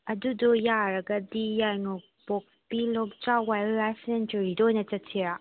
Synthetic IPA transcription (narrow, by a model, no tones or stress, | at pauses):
ɐdudɔjaɾɐɡɐdijajnok̚pɔk̚spilɔk̚t͡ʃawajɾajsentɐɾidɔojnɐt͡ʃɐttʰiɾa